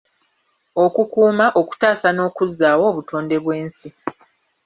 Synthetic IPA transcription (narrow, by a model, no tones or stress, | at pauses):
o̞kukuːmaʔo̞ku̥taːsano̞ːkuzːaːwo̞ːβutʰo̞ːnde̞βwe̞ːnsi